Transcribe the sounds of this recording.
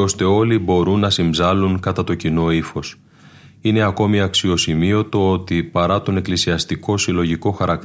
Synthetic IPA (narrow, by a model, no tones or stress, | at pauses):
o̞st̪e̞o̞libo̞ɾunːɐsimbzɐluŋkɐt̪ɐt̪o̞cino̞ifo̞s | ine̞ɐko̞miɐksio̞simio̞t̪o̞o̞t̪ipɐɾɐt̪o̞ne̞klisiɐst̪iko̞silo̞ʝiko̞xɐɾɐk̪̚